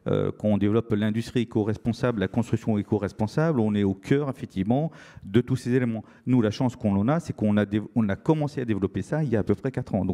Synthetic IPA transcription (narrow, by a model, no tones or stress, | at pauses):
ø̰kɑ̃ɔ̃d̪evlɔplɛ̃d̪yst̪χiekoʁɛspɔ̃sablakɔ̃st̪χyksjɔ̃ekoʁɛspɔ̃sablɔ̃nɛokʰʲœʁefɛk̚t̪ʰivmɑ̃d̪ət̪usezelemɑ̃ | nulaʃɑ̃skɔ̃nɑ̃nasɛkɔ̃nad̪eɔ̃nakɔmɑ̃sead̪evlɔpesailjaːpøpχɛkat̪χɑ̃d̪ɔ̃